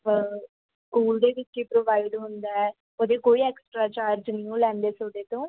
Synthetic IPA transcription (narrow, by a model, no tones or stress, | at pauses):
ə | skuːld̪eːʋɪt͡ʃepɾoːʋaːɪɖɦʊnd̪aːɛː | od̪eːkoːiːɛːksʈɾaːt͡ʃaːɾd͡ʒniũlɛ̃ːnd̪eːsoːd̪eːt̪õː